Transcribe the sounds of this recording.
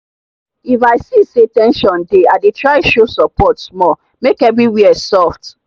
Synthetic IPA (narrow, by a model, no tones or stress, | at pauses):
ifaɪsesetɛ̃nʃɔ̃ndeadetɹaɪʃosɔpɔtsmɔ | mekɛvɹiwiɛsɔft